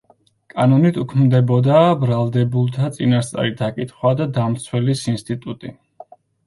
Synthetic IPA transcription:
kʼanɔnit̪ʰukʰmd̪ɛbɔd̪aːbɾalˠd̪ɛbulˠt̪ʰat̪sʼinast̪sʼa̰ɾid̪akʼit̪ʰχwad̪ad̪amt̪sʰwɛlisinst̪ʼit̪ʼut̪ʼi

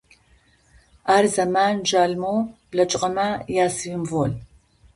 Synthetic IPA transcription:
aːrzɐmaːnʒaːɮmoːb̥lɐt͡ʃʼqʼɐmajaːsɨjɪmvoːl

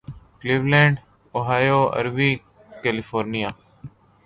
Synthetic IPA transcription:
kliːʋlẽːɳɖ | oːɦaːjoːə̰ɾʋiː | kelifʰoːɾnijaː

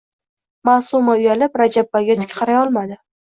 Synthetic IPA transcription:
masumaʊjalɪpɾad͡ʒabːaɡʲat̪ʰɪ̥kʲqʰɑɾajɒlˠmad̪ɪ

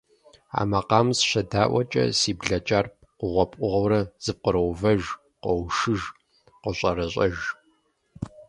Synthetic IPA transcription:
a̰ːmɐqɑːmsɕɐdaːʔʷɐt͡ʃʼɐ̰siːbɮɐt͡ʃʼarp̚ʰqʷʊʁʷɔpʼʊʁɐwɾɐz̥ɨp̚qəɾɐwvɐʒ | qʷɔwʃɨʒ | qʷəɕʼɐɾɐɕʼɐʒ

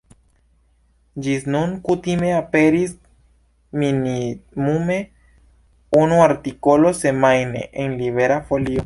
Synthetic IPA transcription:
d͡ʒisnuŋkut̪imeapeɾis | minimume | unuaɾt̪ikolosemajnḛʔeŋliβeɾafolio

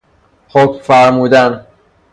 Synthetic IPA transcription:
hocmfæɾmuːd̪æn

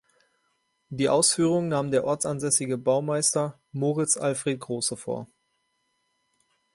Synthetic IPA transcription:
d̥iːʔaʊsfyːʁ̞ʊŋnaːmdeːɐʔɔɐt͡sanzɛsɪɡəbaʊmaɪstɐ | moːʁɪt͡sʔalfʁ̥eːt̚ɡ̥ʁoːsəfo̰ːɐ

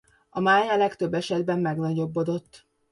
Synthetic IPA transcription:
ɒmaːjalɛkt̪ø̞bːɛʃɛd̪bɛmːɛɡnɒɟo̞bːod̪o̞t̪ː

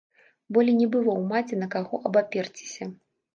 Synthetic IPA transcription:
bɔlʲinʲɛbɨvɔwmat͡sʲɛnɐkaɣɔʔɐbapʲɛrt͡sʲi̥sʲɐ

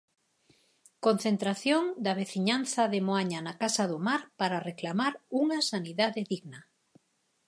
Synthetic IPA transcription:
kon̟θent̪ɾaθjoŋd̪ɐβeθiɲan̟θɐðemoaɲanakasaðʊmaɾpaɾareklamaɾuŋasaniðaðeðiɣna

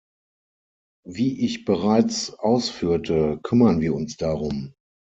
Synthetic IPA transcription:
viːʔɪçb̥əʁaɪt͡sʔaʊsfyːɐtʰəkʰʏmɐnviːɐʊnsd̥aʁʊm

